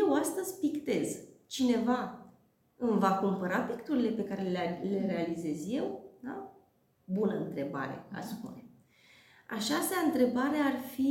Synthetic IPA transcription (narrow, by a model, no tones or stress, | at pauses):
jewast̪əzʲpikt̪e̞zt͡ʃine̞va | ɨnvakumpəɾat̪ikt̪uɾile̞pe̞kaɾe̞lle̞ɾe̞alize̞zje̞wd̪a̰ | bunəɨ̰nt̪ɾe̞ba̰ɾḛa̰spṵn | a̰ʃast̪aɨnt̪ɾe̞baɾe̞arfi